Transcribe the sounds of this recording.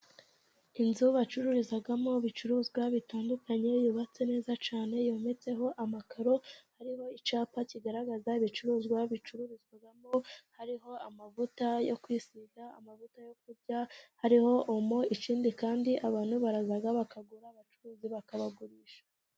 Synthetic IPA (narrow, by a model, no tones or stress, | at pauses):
inzuβat͡ʃuɾuɾizaɡamo̞βit͡ʃuɾuːzɡwaβitaːndukaɲe̞juβat͡se̞ne̞ːzat͡ʃaːne̞jo̞ːme̞t͡se̞ɦo̞ʔamakaɾo̞haɾiho̞it͡ʃaːpaciɡaɾaɡazaiβit͡ʃuɾuːzɡwaβit͡ʃuɾuɾizɡwaɡamo̞haɾiɦo̞amavutajo̞kwiːsiɡa̰ːmavutajo̞k̚uɾɟahaɾiho̞ʔumo̞it͡ʃiːndikaːndiʔaβaːn̥huβaɾazaɡaβakaɡuɾaːβat͡ʃuɾuːziβakaβaɡuɾiːʃḁ